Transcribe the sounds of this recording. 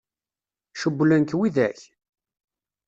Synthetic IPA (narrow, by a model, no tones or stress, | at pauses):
ʃəbːlænkwiðæç